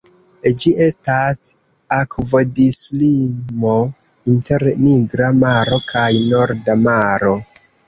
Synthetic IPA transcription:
d͡ʒiʔe̞stas | akvo̞dislimo̞ | inte̞ɾniɡɾamaɾo̞kʰajno̞ɾdamaɾo̞

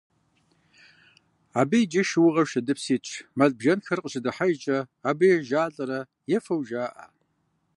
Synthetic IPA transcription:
abijd͡ʒɐʃwʊʁɐʃɐdɨpʰsiːt͡ʃʷʰmaɮbʒɐnxɐrqʼʒadɨħaʒt͡ʃʼɐːbijʒaːɮʼɐɾɐ | jɛfɐwʒaːʔa̰

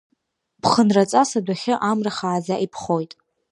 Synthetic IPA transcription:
pʰχənrat͡sʼasadʷaχʲɪʔamraχaːzaʔipʰχo̞jtʼ

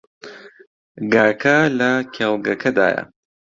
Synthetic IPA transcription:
ɡaːkʰɐlɐkʰʲɛlˠɡɐkʰɐd̪a̰ːjɐ̰

